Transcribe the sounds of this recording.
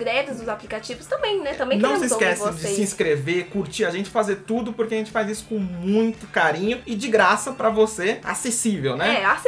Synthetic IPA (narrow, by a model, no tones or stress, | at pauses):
ɡɾɛd̪ʊzd̪ʊzaplikat͡ʃivʊst̪ɐ̃mbẽj̃nɛt̪ɐ̃mbẽnk̪ɐ̃w̃sɪskɛsɪd͡ʒɪɪĩskɾevekuɾt͡ʃiaʒẽnt͡ʃɪ̥fazeɾt̪ud̪ʊpoɾkeɐʒẽnt͡ʃɪ̥fajzisʊ̥kõmũj̃t̪ʊkaɾĩɲʊɪd͡ʒɪɡɾasɐpɾɐvosea̰sesivewnɛɛas